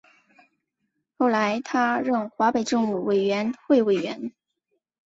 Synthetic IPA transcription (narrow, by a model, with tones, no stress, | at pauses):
xo˥˩ʊla˧˥ɪt̪ʰa˥ɻə˥˩nxwa˧˥pe˨˩ɪʈ͡ʂɤ˥˧ŋu˨˩we˨˩ɪɥɛ˧˥nxwe˥˩ɪwe˨˩ɪɥɛ˧˥n